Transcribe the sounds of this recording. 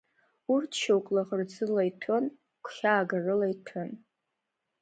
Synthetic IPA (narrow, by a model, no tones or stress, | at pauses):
urtʰʃowkʼlaʁərd͡zɨlajtʰon | kʷʰχʲaːɡarɨlajtʰɨn